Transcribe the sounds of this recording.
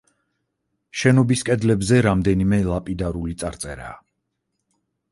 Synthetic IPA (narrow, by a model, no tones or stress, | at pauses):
ʃɛnɔbiskʼɛd̪lɛbzɛɾamd̪ɛnimɛlˠapʼid̪aɾulit̪sʼaɾt̪sʼɛɾa̰ː